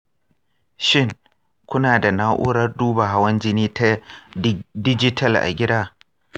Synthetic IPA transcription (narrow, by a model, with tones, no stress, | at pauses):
ʃɪ˦˨ŋ | kʷʊ˦naː˨da˨naː˦ʔʊ̰˦ɽɐ˦rduː˦ba˨ɦa˦wɐ˦nd͡ʒɪ˦niː˦ta˦ | dɪ˦d͡ʒɪ˦tʰɐ˦lʔa̰˨ɡʲɪ˦daː˦